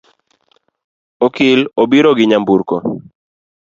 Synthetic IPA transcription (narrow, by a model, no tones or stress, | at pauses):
okɪlobiɾɔɡɪɲambuɾkɔ